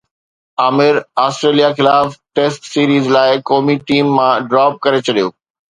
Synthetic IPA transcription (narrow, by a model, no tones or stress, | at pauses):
aːmɪɾaːsʈɾeːlijaxɪlaːfʈeːsʈsiːɾiːzlaːɪkɔːmiʈiːmːãɖɾaːp̚kɐɾet͡ɕʰɐɗijo̰ː